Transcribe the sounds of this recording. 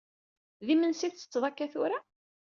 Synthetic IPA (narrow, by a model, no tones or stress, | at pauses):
ðimənsiθt͡sːə̥t͡sːðˤɑkːæθʊɾa